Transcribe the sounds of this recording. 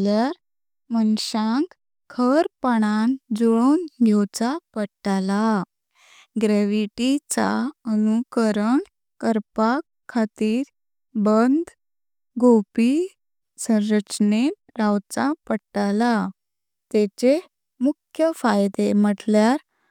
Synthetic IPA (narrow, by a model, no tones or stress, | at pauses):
ljaɾ | mənɕãŋk | kʰəɾpaɽ̃and͡zɔɭonɡʱewt͡sapəʈala | ɡɾeʋiʈit͡sa̰ənukəɾəɳ | kəɾpakʰːat̪iːɾ | bənd̪ | ɡʱopi | sə̃ɾɾət͡ɕne | ɾawt͡sapəʈala | t̪et͡ɕe | mukʰjəfajd̪em̤əʈljaɾ